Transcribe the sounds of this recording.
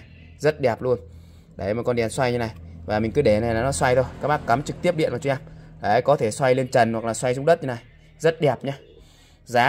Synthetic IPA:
zə˦˥t̚ɗɛ˨˩p̚lu˧ən | ɗa˧˩jm̚˨˩kɔ˧nɗɛ˨˩nswa˧jɲɨ˧na˨˩jvaː˨˩mï˨˩ŋ̟kɨ˨˦ɗe˧˩na˨˩jlaː˨˩nɔ˨˦swa˧jt̪ʰo˧jkaː˦˥k̚maː˦˥kːa˨˦mt͡ɕɨ˨k̚t̪i˦˥əp̚ɗḭ˧˨nmaː˨˩t͡ɕʔɛ˧mla̰ː˨˩ʔaː˨˧˦jkɔ˨˦t̪ʰe˧˩swa˧jle˧nt͡ɕə˨˩nwa˨˩k̚laː˨˩swa˧jsʊ˧ŋ͡mɗə˦˥t̚ɲɨ˧na˨˩j | zə˦˥t̚ɗɛ˨˩p̚ɲaː˧ | zaː˨˦

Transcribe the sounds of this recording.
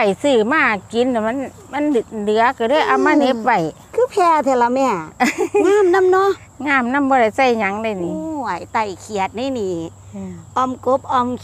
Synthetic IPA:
a˨˩jsɯː˧˩maː˧˩ki˨˦nːa˨˩ma˧˥˨n | ma˧˥˨nd̚dɯ˨˧˦ɐka˧˩dɯ˧˥˨jʔa˧˩maː˧˥˨ne˧˦p̚wa˧˩j | kʰɯː˧˦pʰɛː˧t̪ʰɛː˧˩la˧mɛː˧˩ŋɯː˧˥˨mna˧˥˨mnɔ˧˥ | ŋaː˧˩mna˧˥˨mbɔː˧ɾa˧˩jsa˧˩jɲa˧˦ŋda˧˩jniː˧˦a˨˩jt̪a˧˩jkʰi˨˧˩ət̪̚na˧˩˨jniː˧˩˧ | ʔɔ˧˩mko˧˦p̚ʔɔ˧m

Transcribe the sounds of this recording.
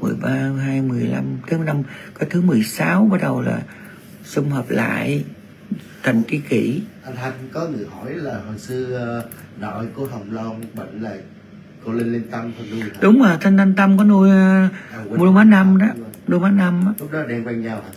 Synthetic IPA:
mɨ˨˩əjɓaː˧ɦaː˧jmɨ˨˩əjla˧mt̪a˨˦mɨ˨la˧mkɔ˨˦jt̪ʰɨ˨˦mɨ˨˩əjsaː˨˦wɓaː˧˩ɗə˨˩wla̰ː˨˩ | sʊ˧ŋ͡mhəː˨˩p̚la̰ː˧˨j | t̪ə˨˩nt͡ɕi˧˦kḭ˧˩ʔa˧nt̪ʰa˧jŋkɔ˨˦ŋɨ˨˩əhɔ˧˩jlaː˨˩ho˨˩jsɨ˧ɗɔ̰˧˩jku˧˩ɦə˨˩wŋ͡mlə˧ŋ͡mɓə̰˧˨ŋ̟laː˨˩ | ko˧˦le˧nle˧nt̪ə˧mkʰɔ˧nu˧jɗʊ˨˦wŋ͡məː˨˩t̪ʰa˧ŋt̪ʰa˧jŋ̟t̪ə˧mkɔ˨˦nu˧jmu˧maː˨˦na˧mɗnu˧jmaː˨˦˥na˧ma˨˦lʊ˦˥k̚ɗɔ˨˦ɗɛ˧ŋkwa˧ŋɲaː˧w

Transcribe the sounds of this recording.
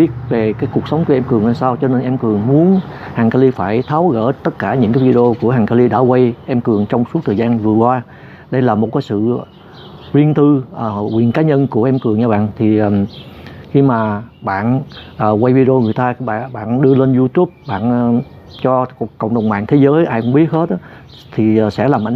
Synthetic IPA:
ɓi˦˥ət̚ve˨˩kaː˨˦jku˨˩ək̚sə˨˦wŋ͡mkʔɛ˧mkɨ˨˩əŋʔaː˧msaː˧wt͡ɕɔ˧ne˧nʔɛ˧mkɨ˨˩əŋmu˨˦ənhaː˨˩ŋka˧li˧faː˧˩jt̪ʰaː˨˦wɣə̰ː˧˩t̪ə˦˥t̚kaː˧˩ɲɨ̰˧˥ŋkaː˨˦jvi˧ɗe˧o˧ku˧˩əɦaː˨˩ŋkaː˧li˧ɗa̰ː˧˥kwa˧jʔɛ˧mkɨ˨˩əŋt͡ɕɔ˧wŋ͡msu˦˥t̚t̪ʰəː˨˩jzaː˧nvɨ˨˩əkwaː˧ | ɗə˧jlaː˨˩mo˨˩kaː˨˦jsɨ̰˧˨ | zi˧ənt̪ɨ˧ʔəː˨˩ɣwḭ˨˩ənkaː˨˦ɲə˧nku˧˩əʔɛ˧mkɨ˨˩əŋɲaː˧ɓa̰ː˧˨nt̪ʰi˨˩˨mxi˧maː˨˩ɓa̰ː˧˨nʔəː˨˩wa˧jvi˧ɗe˧o˧ŋɨ˨˩əjt̪aː˧ɓa̰ː˧˨ɓa̰ː˧˨nɗɨ˧əle˧nzu˧t̪u˦˥p̚ɓa̰ː˧˨n | t͡ɕɔ˧kə̰˧˨wŋ͡mɗə˨˩wŋ͡mma̰ː˧˨ŋt̪ʰe˨˦zəː˨˦jʔaː˧jkʊ˧˥ŋ͡mɓi˦˥ət̚he˦˥t̚ʔ | t̪ʰi˨˩˨sɛ̰˧˥laː˨˩mʔ

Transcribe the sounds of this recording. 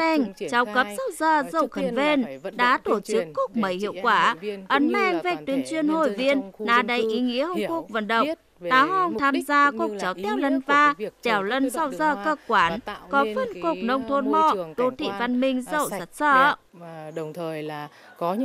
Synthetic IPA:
ɛ˧˩ŋt͡ɕa˨˦wkə˨˦˥p̚sa˧wzəː˧˩zə̰˧˨wxə˨˩nve˧nɗa̰ː˧˥t̪o˧˩t͡ɕɨ˨˦˥kːu˧˩k͡p̚mə˨˦jhḭ˧˨əwkwaː˧˩ʔə˨˦nmɛ˧ŋvɛ˨˧˩k̚t̪wi˨˧ənt͡ɕwi˧ənho˧˩jvi˧ənnaː˨˧˩ɗə˨˦jʔi˨˦ŋḭ˧˥əhə˧˩ŋ͡mku˧˩ək̚və̰˧˥nɗə̰˧˨wŋ͡m | ɗ̪aː˨˦ɦɔ˧˨ŋ͡mt̪ʰaː˧mzaː˧kk͡p̚t͡ɕa˨˦wt̪ɛ˧˦wlə˧nvaː˧t͡ɕɛ˨˩wlə˧nsa˧wzəː˧˩kəː˧˩kkwaː˨˩nkɔ˨˦fə˧˨nko˧˩k̚nə˧wŋ͡mt̪ʰo˧nmɔ̰˧˨ɗo˧˩t̪ʰḭ˧˨va˧nmï˧ŋ̟zə̰˧˨wzə˨˦˥t̚səː˧˩

